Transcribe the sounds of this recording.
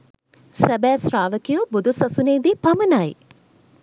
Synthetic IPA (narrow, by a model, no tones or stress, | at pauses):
sæbæːsraːʋəkijubud̪ʱusasuneːd̪ipamənaj